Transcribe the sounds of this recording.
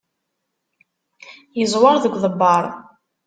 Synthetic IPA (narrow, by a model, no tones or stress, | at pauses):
jəzˤwɑɾðəɡʷːðəbːɑɾˤ